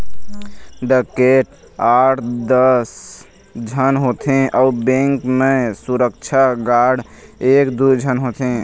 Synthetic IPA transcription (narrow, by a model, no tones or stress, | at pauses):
ɖəkeʈ | aʈʰd̪əs | d͡ʒʱənɦot̪ʰẽʔɔʊbẽŋkmẽsuɾəkt͡ʃʰaɡaɽeːkd̪ud͡ʒʱənɦot̪ʰẽ